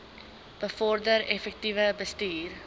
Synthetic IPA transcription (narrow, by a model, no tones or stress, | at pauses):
b̥əfɔrdəɾɛfɛk̚tivəbəstiːr